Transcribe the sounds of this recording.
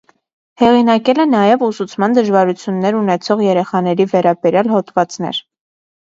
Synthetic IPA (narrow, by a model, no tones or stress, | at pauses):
hɛʁinɑkɛlɛnɑjɛvusut͡sʰmɑnd̪əʒvɑɾut͡sʰjunːɛɾunɛt͡sʰɔʁjɛɾɛχɑnɛɾivɛɾɑbɛɾjɑlɦɔt̪vɑt͡snɛ̰ɾ